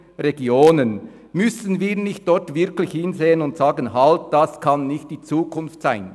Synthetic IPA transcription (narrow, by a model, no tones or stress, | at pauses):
reɡjoːnən | mʏsən̩viːɾnɪçt̚d̥ɔɾtvɪɾklɪçhɪnzeːənʊntsɑːɡənɦɑlt̚d̥ɑskʰɑnːɪçt̚d̥iːt͡suːkʰʊnftsaɪn